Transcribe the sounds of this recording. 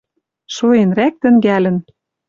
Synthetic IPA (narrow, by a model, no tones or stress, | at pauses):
ʃoenræk̚t̪ə̆ŋɡælə̆n